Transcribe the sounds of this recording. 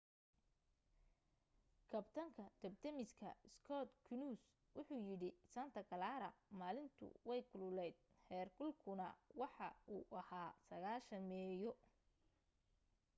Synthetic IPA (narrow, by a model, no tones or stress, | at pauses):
kʰɐbt̪ʰɐŋkʰɐd̪̥ɐbt̪ʰɐmɪskʰɐ̰ɪskʰɔt̪kʰʊnus | wʊħuːjɪɽɪsɐnt̪ʰɐɡɐlaːɾɐmaːlɪnt̪ʰʊ̰wɛjkʰʊlʊlɛjd̪̚hɛːrkʰʊlkʰʊnɐwɑħɑuːʔɐhaːsɐɣaːʃɐnmɛːjɔ